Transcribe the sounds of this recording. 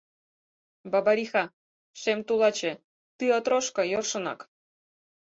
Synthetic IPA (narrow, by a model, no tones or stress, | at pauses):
bɑbɑɾʲixɑ | ʃemt̪ulˠɑt͡ɕĕ | t̪ɯot̪ɾoʃkɤ̆jorʃɤ̆nɑ̰k